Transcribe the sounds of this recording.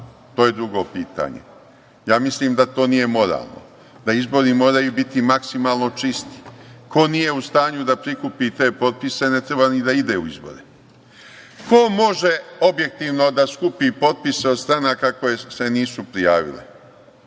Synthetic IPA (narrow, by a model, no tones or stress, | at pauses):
t̪oːje̞d̪ɾuɡo̞piːt̪a̰ɲḛ | jaːmisliːmd̪at̪o̞ːnije̞mo̞ɾa̰ːlˠno̰ | d̪aizbo̞ɾimo̞ːɾajubit̪imaksimaːlˠno̞t͡ʃist̪i̥kʰo̞nije̞ust̪aːɲud̪apɾikupit̪e̞ːpo̞t̪̚pise̞ne̞t̪ɾebanid̪aid̪e̞uizbo̞̰ɾe | kʰo̞mo̞ʒe̞obje̞k̚t̪iːʋno̞d̪askupipo̞t̪̚pise̞od̪st̪ɾanakako̞jese̞niːsupɾijaːʋḭlḛ